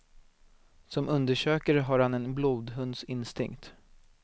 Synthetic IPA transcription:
sɔmʔɵnd̪əʂøːkaɾəɦaɾhanɛnbluːd̪ɦɵnd̪sɪnst̪ɪ̰ŋkt̪

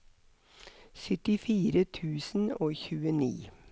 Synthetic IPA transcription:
sœt̪ɪfiːɾət̪ʰʉːsn̩oːçʉːənḭː

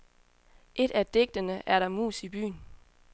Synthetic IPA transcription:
ʔe̝d̥æd̥e̝ɡ̥̚d̥ənəʔæɐɾɑ̈mṵːsib̥y̰ːn

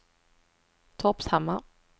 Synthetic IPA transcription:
t̪ʰɔpshamːa

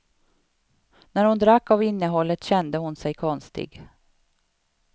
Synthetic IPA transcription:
næɾhʊnd̪ɾakːavɪnːəɦɔlːət̪ɕɛnd̪əhʊnsɛjkʰɔnst̪ɪ̰ɡ

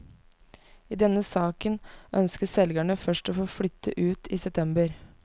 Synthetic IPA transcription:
iːd̪ɛnːəsɑːkənʔœnskəsɛlɡæɳəfœʂʈoːfoːflʏt̪ʰːəʔʉːt̪ʰiːsɛp̚t̪ʰɛmbəɾ

